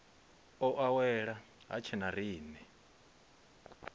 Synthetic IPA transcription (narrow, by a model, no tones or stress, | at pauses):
ɔʔawɛɺa | ɦa̰t͡ʃʰɛnariːnɛ